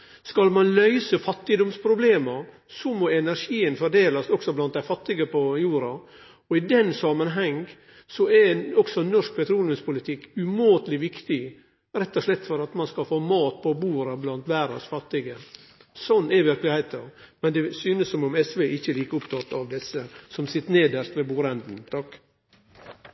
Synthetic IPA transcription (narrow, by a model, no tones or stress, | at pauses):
skɑlmɑnlœʏsəfɑt̪ːɪd̪ɔmspʰɾʊbleːməɾ | sɔmɔɛnæɾʂiːənfɔɖeːlɑsɔksɔblɑnt̪̚d̪æɪfɑt̪ːɪɡəpʰɔjuːɾɑ | ɔɪd̪ɛnsɑmənɦɛŋ | sɔɛɾɔksɔnɔʂk̚pʰɛt̪ʰɾuːləspʊlɪt̪ʰɪkːʉmoːt̪lɪʋɪkt̪ɪ | ɾɛt̪ːɔʂɭɛt̪ːfɔɾɑt̪mɑnskɑfoːmɑːt̪̚pʰɔbuːɾɑblɑnt̪ʋæːɾɑ̰sfɑt̪ːɪɡə | sɔnːɛʋɪɾklɪhæɪt̪ʰəɾ | mɛnd̪ɛsyːnəssɔmʊmɛsʋeʔɪçːəliːkəʊpt̪ʰɑt̪ːɑʋd̪ɛsːəsɔmsɪt̪ːneːd̪əʂt̪ʋeːbuːɾɛnd̪n̩t̪ʰɑk